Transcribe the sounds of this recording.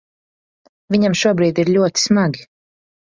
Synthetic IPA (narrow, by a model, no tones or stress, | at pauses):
viɲamʃuɔbɾiːd̪iɾʎʲuɔt̪i̥smaɡʲi